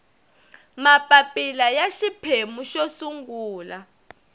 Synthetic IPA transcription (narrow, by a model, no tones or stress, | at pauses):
mapʼapʼilajaʃipʰemuʃosuŋɡuːla